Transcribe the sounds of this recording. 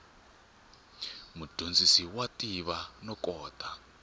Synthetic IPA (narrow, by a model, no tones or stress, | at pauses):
mud̥ʱond͡zisiwatiβanɔkɔːta